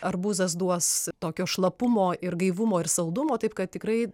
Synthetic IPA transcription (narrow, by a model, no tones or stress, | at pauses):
ɐrbuːzɐs̬d̪uɔst̪oːkʲoːʃlˠɐpʊmoːɪrɡɐɪʋʊmoːɪrsɐlˠd̪ʊmoːt̪ɐɪpkɐt̪̚t̪ʲɪkɾɐɪ